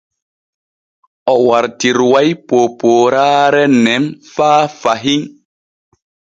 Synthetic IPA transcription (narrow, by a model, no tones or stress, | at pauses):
ʔɔwaɾtiɾwajpoːpoːɾaːɾɛnɛmfaːfaɦiŋ